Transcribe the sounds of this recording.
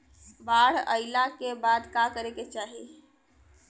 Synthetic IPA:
baɽ̤ə̰ɪlakebad̪kakəɾeket͡ʃaːɦi

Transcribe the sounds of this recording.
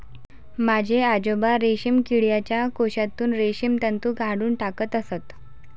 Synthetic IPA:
mad͡ʑʱead͡ʑobaɾeɕimkiɭjat͡ɕjakoɕat̪uːnɾeɕimt̪ənt̪uːɡʱaɽuːnʈakət̪əsət̪

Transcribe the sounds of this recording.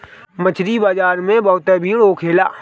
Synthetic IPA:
mət͡ʃʰɾiːbaːd͡ʒaːɾmẽːbaːt̪ɛːbʱiːɽoːkʰeːla̰ː

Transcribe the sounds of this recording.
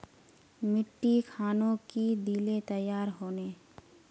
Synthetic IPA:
mɪʈːikʰaːnõkid̪iːlet̪əjːaːɾɦoːne

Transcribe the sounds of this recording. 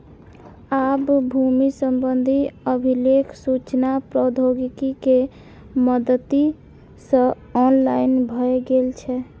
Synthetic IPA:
abbʱumisəmbənd̪ʱiəbʱilekʰsut͡ʃnapɾɔd̪ʱoɡikike | məd̪ət̪i | sə̃ | ɔnlajnbʱəeɡelt͡ʃʰɛ

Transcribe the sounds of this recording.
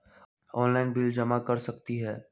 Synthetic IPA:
ɔːnlaːɪnbɪld͡ʒɐmakɐɾsɐkt̪iɦɛː

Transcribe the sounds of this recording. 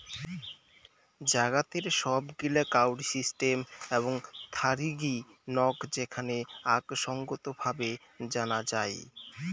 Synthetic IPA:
d͡ʑaɡat̪eɾʃɔbɡilakawɖisisʈemeβoŋt̪ʰaɾiɡinɔkd͡ʑekʰaneaɡʃɔŋɡot̪obʱabe | d͡ʑanad͡ʑae

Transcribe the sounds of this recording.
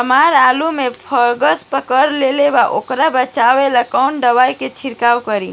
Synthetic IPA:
əmaɾalumẽpʰəɾɡəspəkəɾleleʋaʔokɾabət͡ʃaʋeləkawɳɖəʋajket͡ʃʰiɾkawkəɾi

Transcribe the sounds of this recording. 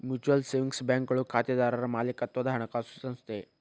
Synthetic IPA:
mjut͡ɕuəlseʋiŋksbɛ̃ŋkəɭukʰat̪jad̪aɾaɾmalekat̪ʋəd̪ʱaɾɳ̃əkasu̥sə̃nst̪e

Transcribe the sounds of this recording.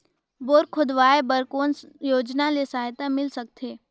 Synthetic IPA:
boːɾkʰʊd̪ʋaːebəɾkoːnjoːd͡ʒnalesaːɦt̪amɪlsək̚t̪ʰeː

